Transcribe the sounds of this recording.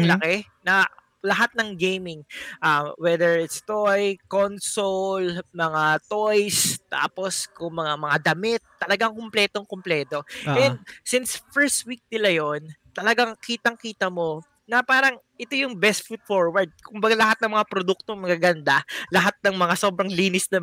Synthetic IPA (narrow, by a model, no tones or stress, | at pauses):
ɐŋlɐkɛ | nɐ | lɐɦat̪̚nɐŋɡejmɪŋʔawɛd̪ɛɹɪt̪st̪ojkonsolmɐŋat̪ojst̪a̰ːposkʊŋmɐŋamɐŋad̪ɐmɪt̪ːɐlɐɡaŋkomplɛːt̪oŋkomplɛːt̪o̞ʔɛnd̪̚sɪnsfɛɹst̪̚wik̚nɪlajont̪ɐlɐɡaŋkiːt̪ɐŋkiːt̪ɐmo̞ | nɐpaːɾɐŋ | ʔɛt̪o̞jʊŋbɛst̪̚fut̪̚foɹwɐɹd̪̚kʊmbɐɡalɐhat̪nɐŋmɐŋapɾod̪uk̚t̪oŋmɐɡaɡɐnd̪alɐɦat̪̚nɐŋmɐŋaso̞ːbɾɐŋliːnɪsnɐ